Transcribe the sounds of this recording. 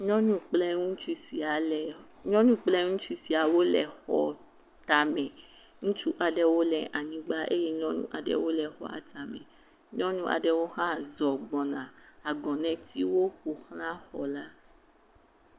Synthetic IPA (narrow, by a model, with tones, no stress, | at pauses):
ɲɔ̃˦ɲũ˦k͡plɛ˦ŋũ˦t͡ʃu˦si˨a˨lɛ˨ | ɲɔ̃˦ɲũ˦k͡plɛ˦ŋũ˦t͡ʃu˦si˨a˨wo˦lɛ̰˨xɔ̰˨ | t̪a˨mɛ̃˨ | ŋũ˦t͡ʃu˦ʔa˨ɖɛ˦wo˦lɛ˨ʔa˨ɲĩ˨ɡ͡ba˦ʔḛ˦je˦ɲɔ̃˦nṵ̃˦ʔa˨ɖɛ̰˦wo˦lɛ˨xɔ̰˨a̰˨ta˨mɛ̰̃˨ | ɲɔ̃˦nũ˦ʔa̰˨ɖɛ˦wo˦xã˦zɔ˨ɡ͡bɔ˨nã˨a˨ɡɔ̃˨nɛ̃˨˦t̪i˦wo˦ku˨xl̃ã˦xɔ˨la˦